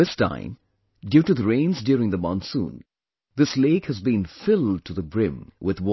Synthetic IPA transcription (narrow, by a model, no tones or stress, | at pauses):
ɪstʰã̰ɪ̃m | djʉtɨðəɹẽɪ̃nzdjʊɹɪ̃ŋðəmɑ̃nsṵ̃n | ðɪsleɪkhɨzbĩnfɪlˠd̚tʰɨðəbɹɪ̃mwɪðwɔ